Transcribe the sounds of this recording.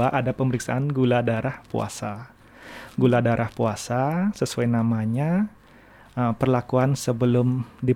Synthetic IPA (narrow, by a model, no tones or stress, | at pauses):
aʔadapəməɾiksa̰anɡuladaɾahpṵa̰sa | ɡuladaɾʔahpuasasəsuajnamaɲa | əpərlakuansəbəlʊmdi